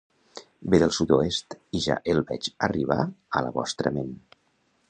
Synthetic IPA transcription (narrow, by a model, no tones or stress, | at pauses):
beðəlˠsut̪oest̪iʒa̰ʔelˠbɛt͡ʃəriβ̞a̰ələβɔ̰st̪ɾə̰men